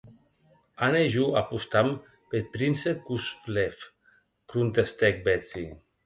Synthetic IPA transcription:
aneʒuapust̪am | pet̪̚pɾinsekusflef | kɾunt̪est̪ɛk̚bet͡si

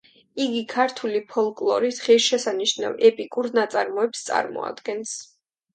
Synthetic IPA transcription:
iɡikʰaɾt̪ʰulipʰɔlˠkʼlˠɔɾid̪χɛsʃɛsaniʃna̰vɛpʼikʼuɾnat̪sʼaɾmɔɛpst̪sʼa̰ɾmɔ̰a̰d̪ɡɛns

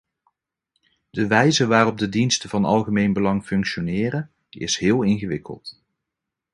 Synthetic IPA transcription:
d̥əʋɛjzəʋaːrɔb̚dədinstəvɑnɑ̰lˠχəmejnbəlɑŋfɵŋkʃonɪːrən | ɪ̰sɦɪːlˠɪnχəʋɪkə̰lˠt

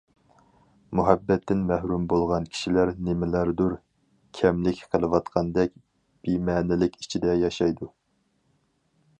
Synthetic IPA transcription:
muɦɛbːɛt̪ːɪnmæhɾumbolˠʁɑnkʲʰi̥ʃilæɾnɪmɪlæɾd̪uɾ | kʲʰɛmlɪkʲqʰəlˠɨwɑt̪qʰɑnd̪ɛkʲ | b̥imɛːnɪlɪkʲi̥t͡ʃʰid̪ɛjɑʃɑjd̪u

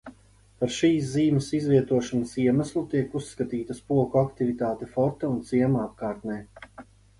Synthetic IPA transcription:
paɾʃiːs̬ziːməsizviɛt̪uɔʃanasiɛmaslˠut̪iɛkusːkat̪iːt̪ɐspuɔkuakt̪ivit̪aːt̪ɛfɔɾt̪aunt̪siɛmaap̚kaːɾt̪nɛː

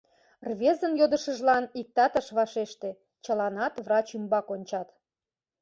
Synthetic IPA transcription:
rβʲezənjod̪ə̆ʃəʒlɑnik̚t̪ɑt̪əʃβɑʃeʃt̪e | t͡ɕəlɑnɑt̪vrɑt͡ɕymbɑkonʲt͡ɕɑt̪

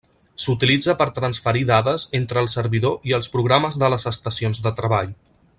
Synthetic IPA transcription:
sut̪ilid͡zəpəɾt̪ɾənsfəɾiðaðəzent̪ɾəːlˠsəɾβiðoiəlˠspɾuɣɾaməzðələzəst̪əsionzðət̪ɾəβaʎ

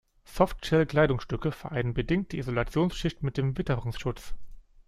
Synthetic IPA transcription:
sɔftʃɛlkl̥aɪdʊŋsʃtʏkəfɛɐʔaɪnənbədɪŋt̚d̥iːizolat͡sjoːnsʃɪçtmɪt̚d̥eːmvɪtəʁʊŋsʃʊt͡s

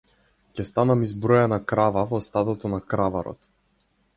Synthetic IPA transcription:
cɛst̪anamizbɾɔjanakɾavavɔst̪ad̪ɔt̪ɔnakɾavaɾɔ̰t̪

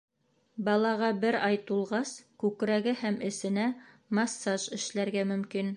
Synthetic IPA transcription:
bɑlˠɑʁɑbɘɾɑjt̪ulˠʁɑskʉkɾæɡɘhæmɘ̆sɘ̆næ | mɑsːɑʒɘ̆ʃlæɾɡæmɵ̆mkin

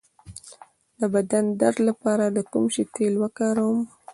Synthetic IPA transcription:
d̪əbad̪and̪aɾlapɑɾad̪əkumʃit̪elwəkaɾawm

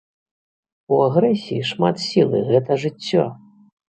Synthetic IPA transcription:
uaɣɾɛsʲijiʂma̰t̪sʲilˠɨ̰ɣɛt̪ɐʐɨt͡sʲːɔ̰

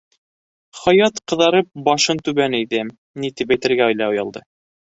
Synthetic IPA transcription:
χɑjɑt̪qɤ̆ðɑɾɤp̚bɑʃɤnt̪ʉβænijðɘm | nit̪ipæjt̪ɘ̆ɾɡæŏjlˠɑojɑlˠd̪ɤ

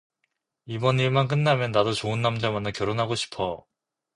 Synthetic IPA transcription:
ibʌniɭmank̬͈ɯnːamjʌnːadot͡ɕoɯnːamd͡ʑamanakjʌɾonɦaɡoɕʰi̥pʰʌ

